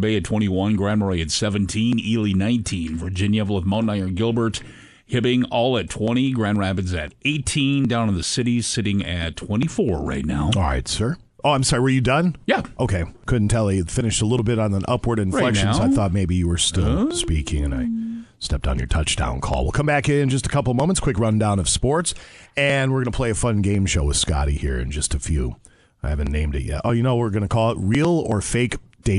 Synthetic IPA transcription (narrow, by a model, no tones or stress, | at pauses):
beɪɨtʰw̥ɛ̃ɾ̃iwʌ̃nɡɹæ̃nmə˞iɨtsɛvɨ̃ntʰĩnilˠinãɪ̃ntʰĩnvə˞d͡ʒɪ̃njɨvlˠəðmõʊ̃naɪə˞ɡɪlˠbə˞t | hɪpɪ̃ŋɔlˠɨtʰw̥ɛ̃ɾ̃iɡɹæ̃nɹæpɨdzɨɾeɪtʰĩndãʊ̃nn̩ðɨsɪɾisɪɾɪ̃ŋɨtʰw̥ɛ̃ɾ̃ifɔɹɹa̰ɪtⁿna̰ʊɔlˠɹa̰ɪtsɜ˞ | ʔoʊãɪ̃msɑɹiwə˞jɨdʌ̃njɛpʔoʊkʰeɪkʰʊdⁿn̩tʰɛlˠifɪ̃nɨʃtəlɪɾl̩ˠbɪɾn̩ðə̃ʔʌpwə˞ɾɨ̃n̩flɛkʃnzaɪθɔt̚meɪbijɨwə˞stɪlˠspikʰɪ̰̃ŋɨ̃na̰ɪstɛp̚tn̩jə̰˞tʰʌt͡ʃd̥ã̰ʊ̃nkʰɔ̰lˠwɪ̰lˠkʰʌ̃mbækɪ̃nd͡ʒʌstəkʰʌpl̩ˠvmõʊmə̃ntskʰw̥ɪkɹʌ̃ndãʊ̃nʌv̥spɔɹtsɨ̃nwɪɹɡʌnəpʰl̥eɪɨfʌ̃nɡẽɪ̃mʃoʊwɨð̥skɑ̰ɾḭhḭɹɨ̰̃nd͡ʒʌstɨfjʉ | aɪhævɨ̃nnːẽɪ̃mdɨ̰t̚jɛ̰tʔoʊjɨnoʊwɪɹɡʌnɨkʰɔlˠətɹilˠə˞feɪkd̥eɪ